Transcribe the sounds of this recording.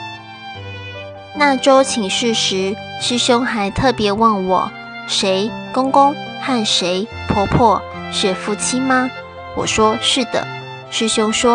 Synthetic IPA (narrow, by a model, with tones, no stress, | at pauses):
na˥˩ʈ͡ʂo˥ʊt͡ɕʰi˨˩ŋʂɻ̩˥˩ʂɻ̩˧˥ | ʂɻ̩˥ɕʊ˥ŋxa˧˥ɪt̪ʰɤ˥˩pjɛ˨˧˥wɑ˥˩ŋwɔ̰˨˩˦ | ʂe˧˦˥ɪkʊ˥ŋkʊ˥ŋxa˥˩nʂe˧˥ɪ | pʰɔ˧˥pʰwɔ˥˩ | ɕɥɛ˨˩fu˥˩t͡ɕʰi˥ma˧ | wɔ̰˨˩ʂwɔ˥ʂɻ̩˥˩d̪ə̰˩ | ʂɻ̩˥˩ɕjʊ˥ŋʂwɔ˥